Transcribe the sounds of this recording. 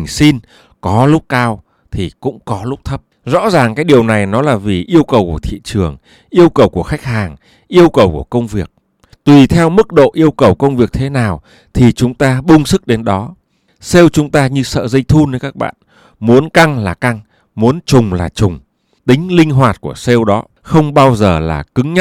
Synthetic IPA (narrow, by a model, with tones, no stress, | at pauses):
ŋsi˧n | kɔ˨˦lʊ˦˥k͡p̚kaː˧w | t̪ʰi˨˩kʊ̰˧˥ŋ͡mkɔ˨˦lʊ˦˥k͡p̚t̪ʰə˦˥p̚zɔ̰˧˥zaː˨˩ŋkaː˨˦jɗi˨˩əwna˨˩jnɔ˨˦laː˨˩vi˨˩ʔi˧əwkə˨˩wku˧˩ət̪ʰḭ˧˨t͡ɕɨ˨˩əŋ | ʔi˧əwkə˨˩wku˧˩əxa˦˥jk̟̚ɦaː˨˩ŋ | ʔi˧əwkə˨˩wku˧˩əkə˧wŋ͡mvi˨˩ək̚ | t̪wi˨˩t̪ʰɛ˧wmɨ˦˥k̚ɗo̰˧˨ʔi˧əwkə˨˩wkə˧wŋ͡mvi˨˩ək̚t̪ʰe˨˦naː˨˩w | t̪ʰi˨˩t͡ɕʊ˨˦ŋ͡mt̪aː˧ɓʊ˧ŋ͡msɨ˦˥k̚ɗe˨˦nɗɔ˨˦ | se˧wt͡ɕʊ˨˦ŋ͡mt̪aː˧ɲɨ˧sə̰ː˧˨zə˧jt̪ʰu˧nə˧˦jkaː˦˥k̚ɓa̰ː˧˨n | mu˨˦ənka˧ŋlaː˨˩ka˧ŋ | mu˨˦ənt͡ɕʊ˨˩ŋ͡mlaː˨˩t͡ɕʊ˨˩ŋ͡m | t̪ï˨˦ŋ̟lï˧ŋ̟ɦwaː˨˩t̚ku˧˩əse˧wɗɔ˨˦ | xə˧wŋ͡mɓaː˧wzəː˨˩la̰ː˨˩kɨ˨˦ŋɲə˦˥